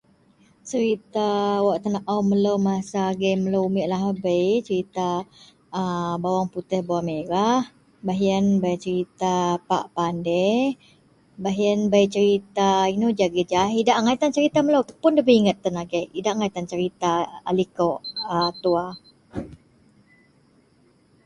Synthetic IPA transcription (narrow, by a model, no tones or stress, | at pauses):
t͡ʃəɾit̪awaʔt̪ənaʔaməlowmasaɡəjməlowumiʔlaɦabəjt͡ʃəɾit̪a | əbawaŋput̪ɛhbawameɾah | baɦiənbajt͡ʃəɾit̪apa̰ʔpandɛh | baɦjənbajt͡ʃəɾit̪ainod͡ʒaɡəd͡ʒaɦidaʔŋait̪ant͡ʃəɾit̪aməlowt̪ə̥pʊndəbəiŋət̪̚ːənaɡəʔidaʔŋait̪ant͡ʃəɾit̪aalikɔʔət̪ua